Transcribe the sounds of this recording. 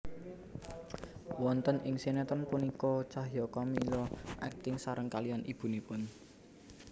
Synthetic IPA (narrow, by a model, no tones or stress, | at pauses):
wɔnt̪ənʔɪŋsenet̪ɔnpunikɔt͡ʃaɦjɔkɔmilɔʔɛ̰k̚t̪ɪŋsaɾəŋkalijɔnib̥ṳnipʊn